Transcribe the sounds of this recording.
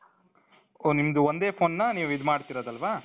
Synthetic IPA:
oːnimɐd̪uond̪eːpʰo̞ːnːɐniːʋid̪maːɖt̪iːɾɐd̪ɐlʋaː

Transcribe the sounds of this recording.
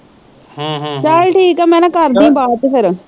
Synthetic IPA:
t͡ʃalʈʰiːkaːmɛ̃ːnãːkəɾd̪ĩːbaːt̪ːpʰɪɾ

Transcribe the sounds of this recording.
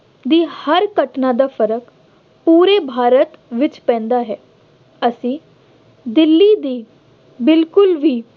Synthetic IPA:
d̪iːhəɾkəʈnãːd̪aːfʰəɾək | puːɾeːbʱaːɾət̪ʋɪt͡ʃpɛ̃ːnd̪aːɦɛː | əsĩː | d̪ɪlːiːd̪iː | bɪlkʊlʋiː

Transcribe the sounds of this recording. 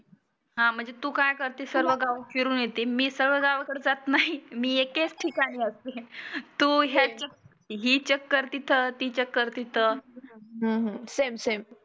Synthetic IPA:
ɦãm̤əɳd͡zet̪uːkajkəɾt̪isəɾʋəɡaʋkiɾuːnjet̪iːmiːsəɾʋəɡaʋkəɽd͡zat̪naɦimiːeket͡sʈʰikañiəst̪et̪uːɦjat͡ɕək̚ | ɦiːt͡ɕəkːəɾt̪it̪ʰət̪iːt͡ɕəkːəɾt̪it̪ʰəɦə̃ɦsemsem

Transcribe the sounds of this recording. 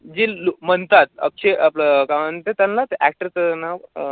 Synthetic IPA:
d͡ʑilomənt̪at̪̚ə̰k̚t͡ɕʰeʔapləkamənt̪et̪janlat̪eʔæk̚ʈəɾt͡səna

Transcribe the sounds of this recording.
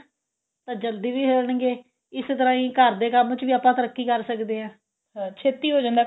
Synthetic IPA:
t̪ãːd͡ʒəld̪iːʋiːɦəːɾəɳɡeː | ɪst̪əɾãːĩːkəɾd̪eːkəmt͡ʃʋiːaːpãːt̪əɾəkʰːiːkəɾsəkd̪eːãː | ɦãːt͡ʃʰeːt̪iːɦoːd͡ʒãːnd̪aː

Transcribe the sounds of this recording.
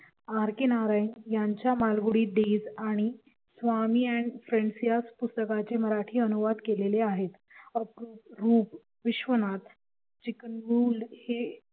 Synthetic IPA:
aɾkenaɾainjaɲt͡ɕjamalɡuɽiːɖ̪ed͡zaɽ̃i | sʋamiːɛɳɖfɾeɳɖsijaspust̪əkat͡ɕeməɾaʈʰiːənuʋad̪keleleaɦet̪ | əpɾuːtɾuːp | ʋiɕʋənat̪ | t͡ɕikənʋuːlhe

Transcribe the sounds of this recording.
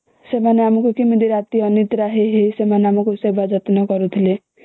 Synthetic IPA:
semaneamɔkukimid̪iɾat̪iɔnit̪ɾaɦeɦesemaneamɔkusebad͡ʒɔt̪nɔkɔɾut̪ʰile

